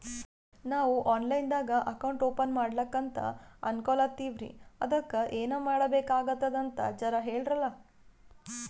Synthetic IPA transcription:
naːʋuʔaːnlɐjnd̪aːɡɐʔɐkɐwɳʈo̞ːpɐnmaːɽlɐkːɐnt̪ɐ̰ɐnkolɐt̪ːiːʋɾḭɐd̪ɐkːɐʔeːnɐːmaːɽɐbeːkaːɡɐt̪ːɐd̪ɐnt̪ɐ̰d͡ʒɐɾɐɦeːɭɖɾɐlːɐ

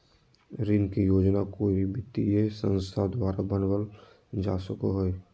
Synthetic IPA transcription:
ɾɪnkijoːd͡ʒnakoːiibʱɪt̪iesə̃nst̪ʰad̪waːɾabənwəl | d͡ʒaːsəkoɦoe

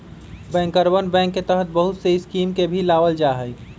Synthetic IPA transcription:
bɛ̃ŋkəɾbənbɛ̃ŋkːet̪əɦət̪̚bəɦut̪seiskimkebʱilaʋəld͡ʒaɦəj

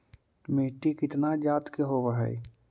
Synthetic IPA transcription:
meːʈikɪt̪nad͡ʒaːt̪keɦobəɦa̰i

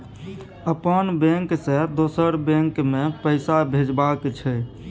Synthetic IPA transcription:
əpənbẽŋksẽd̪osəɾbẽŋkmepəɪsabʱed͡ʒbakt͡ʃʰɛ

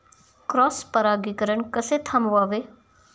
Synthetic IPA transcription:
kɾɔːspəɾaːɡikəɾəɳkəset̪ʰamʋaːʋe

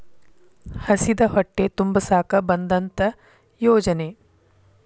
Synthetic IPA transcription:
hɐsid̪ɐɦoʈːet̪umbɐsaːkɐbɐnd̪ɐnt̪ɐ | joːd͡ʒɐne

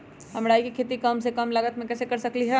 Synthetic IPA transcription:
ɦɐmɽaːikikʰeːt̪ikɐmsekɐmlɐɡət̪mẽkɛːsekɐɾsɐkliɦɛ

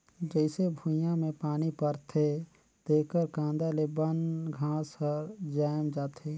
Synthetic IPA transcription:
d͡ʒəɪsebʱujãmẽpaːnipəɾt̪ʰe | d̪̥eːkəɾkãːnd̪alebənɡʱãːsəɾd͡ʒaːmd͡ʒaːt̪ʰeː

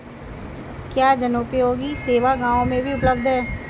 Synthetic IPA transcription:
kjaːd͡ʒɐnoːpeɦoːɡiseːʋaɡãːʋõmẽbʱiʊpləbd̪ʱɦɛ̃ː

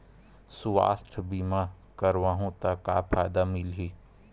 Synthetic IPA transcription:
suʋa̰ːsʈ̪ʰbiːma | kəɾʋaːɦũt̪aka̰ːpʰaːjd̪amɪlɦeː

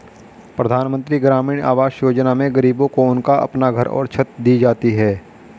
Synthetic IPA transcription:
pɾəd̪ʱaːnmə̃nt̪ɾiɡɾaːmiːɽ̃a̰ːʋaːʃjoːd͡ʒnamẽɡəɾiːbõkoʊnkaʔɐ̰pnaɡʱɐɾɔ̰ːɾt͡ʃʰɐt̪d̪iːd͡ʒaːt̪iɦɛː

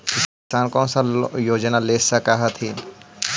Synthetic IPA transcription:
ɪkɪsaːnkɔ̃ːnsajoːd͡ʒnaleːsɐkaɦɐt̪ʰɦi

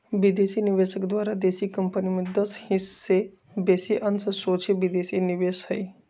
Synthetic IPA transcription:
ʋid̪esiniʋeʃəkd̪ʋaːɾad̪esikəmpənimẽd̪əshise | besiʔənsəsot͡ʃʰeʋid̪esiniʋeʃhəj

